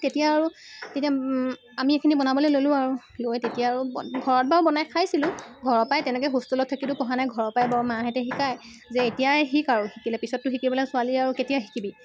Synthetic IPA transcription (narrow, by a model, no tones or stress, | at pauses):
tetijaːɹutetia | amiekʰinibɔnabɔlejlolʊ̃aɹu | lojtetijaːɹuɡʱɔɹɔt̚baɹbɔnajkʰajsilʊ̃ɡʱɔɹɔpajtɛnɛkɛjɦustɔlɔtʰːakitʊpɔɦanajɡʱɔɹɔpajbaɹmaɦɛtɛxikaj | zɛetijaxikaɹuxikilɛpisɔtːʊxikibɔlɛsʊaliaɹuketijaxikibi